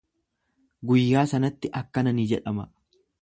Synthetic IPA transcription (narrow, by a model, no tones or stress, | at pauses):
ɡʊjːaːsɐnɐt̪ːɪʔɐkːɐnɐnid͡ʒɛᶑɐmɐ